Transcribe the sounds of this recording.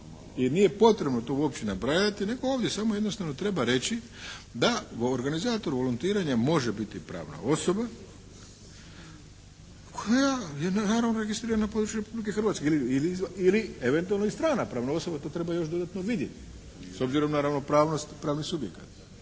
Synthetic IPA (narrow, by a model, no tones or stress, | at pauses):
inije̞po̞t̪ɾe̞bno̞t̪o̞uopt͡ɕenabɾajat̪ine̞ɡo̞oːʋd̪jesamo̞je̞d̪no̞st̪aʋno̞t̪ɾe̞baɾe̞t͡ɕi | d̪aoɾɡanizaːt̪o̞ɾuʋo̞lunt̪iːɾaɲamo̞ʒebit̪ipɾa̰ːʋna̰o̞so̞ba | kʰojajennaːɾaʋnoɾe̞ɡist̪ɾiːɾananapo̞d̪ɾut͡ʃuɾe̞publike̞xr̩ʋat̪keiliilizilieʋe̞nt̪ualnoist̪ɾaːnapɾaːʋnao̞so̞bat̪o̞t̪ɾe̞bajo̞ʃd̪o̞d̪at̪no̞ʋid̪je̞t̪i̥ | so̞bziɾo̞mnaɾaʋno̞pɾaːʋno̞st̪pɾaːʋnixsubje̞̰kat̪